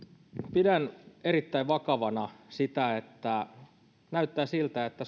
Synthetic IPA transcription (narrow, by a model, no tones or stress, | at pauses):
pidæneɾit̪ːæiʋʋɑkɑʋɑnɑsit̪æet̪ːæ | næyt̪ːæːsilt̪æet̪ːæ